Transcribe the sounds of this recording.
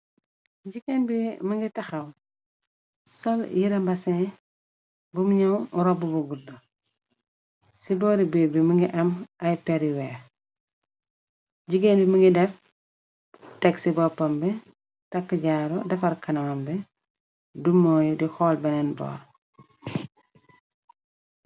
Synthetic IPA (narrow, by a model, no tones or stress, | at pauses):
ɟiɡenbiməŋɡitɐxɐw | sɔljiɾɐmbɐsɛ̃ | bumɲɐwuɾɔbubuɡuɾdɐ | sibɔːɾibebiməŋɡiʔɐmɐjpɛɾiwɛː | ɟiɡenbiməŋɡidɛf | tɛksibɔpɐmbɛ | tɐkːəɟaːɾɔdɐfɐɾkɐnɐwɐmbɛ | dumːɔːjudixɔːlbɛnɛnbɔ̰ːɾ